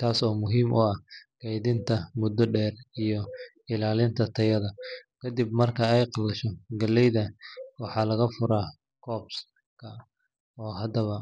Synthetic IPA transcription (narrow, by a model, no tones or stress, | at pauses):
t̪ʰaːsɔːmʊɦiːmʔʊɐhɡ̥ɛjðɪnt̪ʰɐmʊd̪ɔɖɛːrijɔ | ɪlaːlɪnt̪ʰɐt̪ʰɐjɐðɐkʰɐd̪ib̚mɐrkʰɐɛjqɑlɐʃɔɡɐlɛjðɐwɑħɑːlɐɣɐfʊɾaː | kʰɔːbs | kʰɐ | ɔːɦɐd̪ɐβɐ